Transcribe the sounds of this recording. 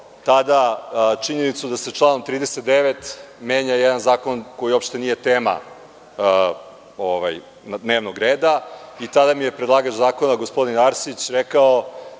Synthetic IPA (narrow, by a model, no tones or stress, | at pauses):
t̪ad̪at͡ʃiɲe̞nit̪sud̪ase̞t͡ʂlˠaːnomt̪ɾiːd̪eset̪̚d̪e̞ʋet̪meːɲajed̪anzaːko̞nko̞jio̞pʃt̪e̞nije̞t̪e̞ːma̰ | oʋa̰j | nd̪neːʋnoɡɾeːd̪ait̪ad̪amije̞pɾed̪lˠaːɡaʒzaːkonaɡospo̞d̪inaɾsit͡ɕɾekao